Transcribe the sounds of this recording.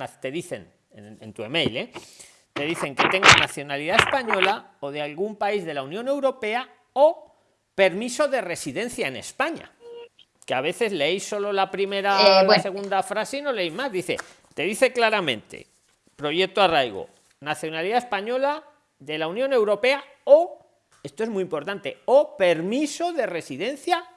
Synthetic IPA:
at̪e̞ðiθe̞̰n | ḛḛnt̪uemejle | t̪e̞ð̞iθe̞ŋke̞t̪e̞ŋɡonaθjo̞naliðaespaɲo̞laoð̞ealɣumpaizðe̞launjõ̞ne̞wɾo̞pe̞a | o | pe̞ɾmiso̞ðe̞re̞siðẽ̞nθjaene̞̰spaɲa̰ | keaβ̞e̞θe̞zle̞ejsːo̞lo̞lapɾime̞ɾalase̞ɣ̞und̪afɾaseino̞le̞ejzmazðiθe̞̰ | t̪e̞ðiθe̞klaɾamẽ̞̰nt̪e̞̰ | pɾo̞ʝek̚t̪oarajɣo̰ | naθjo̞naliðae̞spaɲo̞la | ðe̞launjõne̞wɾo̞pe̞a | o | e̞st̪oe̞zmuiːmpo̞ɾt̪ant̪e̞̰ope̞ɾmiso̞ðe̞re̞siðẽ̞n̟θja

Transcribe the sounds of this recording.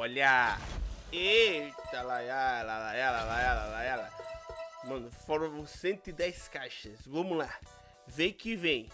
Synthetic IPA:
ɔʎa | et̪alajalalajalalajalalajala | mɐ̃nʊfɔɾɐ̃sẽnt̪ʊɪd̪ɛjskaʃɐsvɐ̃mʊla | vẽj̃kɪvẽj̃

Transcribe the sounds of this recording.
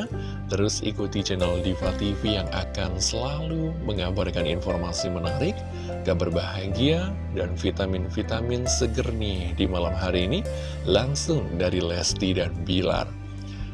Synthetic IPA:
t̪əɾʊsḭkut̪id͡ʒɛnaldifat̪ifijaŋa̰kansəlaluməŋabarkaninfɔrmasimənaɾɪk | kabərbaɦaɡia | danfit̪amɪnfit̪amɪnsəɡərnidimalamɦaɾiːni | laŋsʊŋdaɾilɛst̪idanbila̰r

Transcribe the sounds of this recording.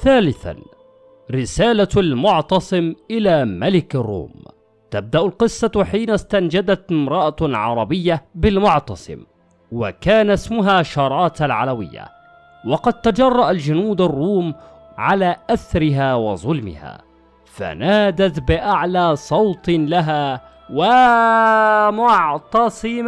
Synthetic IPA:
θaːlɪθa̰n | ɾɪsaːlalmʊʕt̪ɑsˤɨmʔɪlaːmalɪkarˤːṵːm | t̪ab̚d̪aʔʊlqɨsˤːɑħiːnast̪and͡ʒad̪at̪ɪmɾˤɑʔaʕɑɾˤɑbɪjːabɪlmʊʕt̪ɑsˤɨ̰m | wa̰kaːnasmʊɦaːʃɑːɾˤɑːt̪alʕalawɪ̰jːa̰ | wɑqɑd̪̚t̪ad͡ʒɑrˤːɑʔald͡ʒʊnuːd̪arˤːuːm | ʕalaːʔaθɾɪɦaːwɑ̰zˤʊlmɪ̰ha̰ː | fa̰naːd̪at̪bɪʔaʕlaːsˤɑwt̪ˤlaɦaː | wa | mʊʕt̪ɑsˤɨma

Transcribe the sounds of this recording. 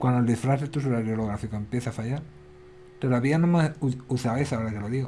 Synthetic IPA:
kwand̪old̪ifɾaset̪usoɾaɾjoloɣɾafikoempje̞θafaʝaɾ | t̪o̞ðaβianomauθaβeθaoɾakeloðiɣo

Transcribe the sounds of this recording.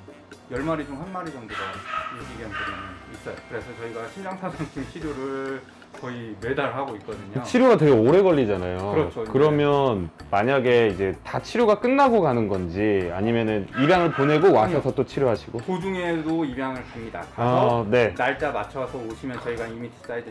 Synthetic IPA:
jʌɭmaɾid͡ʑomhanmaɾid͡ʑʌmdoɾʌeɡiɡʌnkɯmʌnis͈ʌjokɯɾe̞sʰʌt͡ɕʌiɡaɕʰijʌŋsʰasʰaŋt͡ɕʰimt͡ɕʰiɾjoɾɯɭ | kʌime̞daɭɦaɡoit̚k͈ʌdɯɲit͡ɕʰiɾjoɡatwe̞ɡeoɾe̞ɡʌʎːid͡ʑanajoɯɾʌt͡ɕʰokɯɾʌmjʌnmaɲaɡe̞id͡ʑe̞tat͡ɕʰiɾjoɡak͈ɯnːaɡoɡanɯnɡʌnd͡ʑiaɲimjʌnɯnibjaŋɯɭpone̞ɡowasʰʌsʰʌt͈ot͡ɕʰiɾjoɦaɕʰiɡokod͡ʑuŋe̞doibjaŋɯɭkamida̰aaʌne̞naɭt͡ɕ͈amat͡ɕʰʌsʰʌoɕʰimjʌnt͡ɕʌiɡaimit͡ɕʰi̥t͡ɕ͈aid͡ʑe

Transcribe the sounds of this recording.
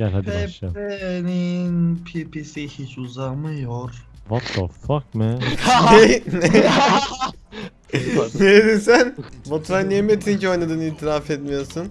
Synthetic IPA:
janhad̪ɛʃaeninpʰipʰisihit͡ʃuzamɯjoɾ | vat̪la̰fakmɯnene | neɾed̪insænvot̪ʰɾajnːiemet̪ʰːincio̞jnˠad̪ɯːniːt̪ʰiɾafɛt̪mijo̞sun

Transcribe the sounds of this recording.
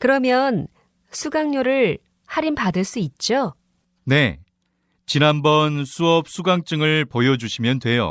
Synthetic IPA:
kɯɾʌmjʌn | sʰuɡaŋɲoɾɯɭ | haɾimpadɯɭs͈uit̚t͡ɕ͈o | ne̞ | t͡ɕinɦanbʌnsʰuʌp̚s͈ʰuɡaŋt͡ɕ͈ɯŋɯɭpojʌd͡ʑuɕʰimjʌndwe̞jo̰

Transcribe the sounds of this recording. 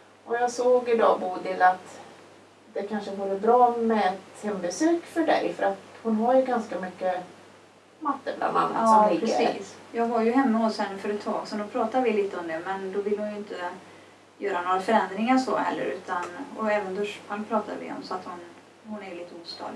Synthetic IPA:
ʔɔjɑːɡsoːɡɪd̪ɑ̰ːbuːd̪ɪlat̪ | d̪ɛkʰanʂəɡuːɾəbɾɑːmɛɛmbɛsøːkfœɖɛ̰jfœɾat̪hʊnɦaɾjɵɡanskamʏkːə | mat̪ːəbla̰ma̰nːɑsɔpɾsḭːsjɑːɡvaɾjɵɦɛmːəhɔshɛnːəfœːɾɛt̪ʰːɑ̰ːɡsɛnd̪ɔpʰɾɑːt̪avɪliːt̪əɔmd̪ɛmɛnd̪ɔvɪlːhʊnjʊɪnt̪ʰə | jœːɾanoːɾafœɾɛnd̪ɾɪŋaʂɔ̰hɛ̰lːə̰ɾʉ̟ːt̪ʰanɔɛːvənd̪ɔʂpʰalpʰɾɑːt̪ʰa̰ɾvɪ̰ɔ̰msɔat̪hʊn | hʊnæɾliːt̪ːəuːst̪ɑ̰ːd̪

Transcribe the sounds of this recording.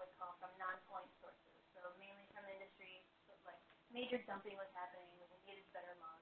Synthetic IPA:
wʌz̥kʰɔl̥ˠsʌ̃mnɑ̃npʰɔ̃ɪ̃ntsɔɹsɪ̰z̥soʊmẽɪ̃nlifʰʌ̃m̩ɪ̃ndɨstɹ̥i | ʌ̥laɪk̚meɪd͡ʒə˞dʌ̃mpɪ̃ŋwʌz̥hæpɨnɪ̃ŋʌɨɡeɪɾɨzb̥ɛɾə˞mã

